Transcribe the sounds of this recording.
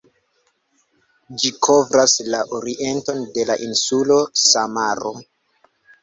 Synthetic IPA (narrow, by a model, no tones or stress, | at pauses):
d͡ʒikʰo̞vɾaslaʔoɾiʔe̞nto̞nde̞laʔinsulo̞samaɾo̰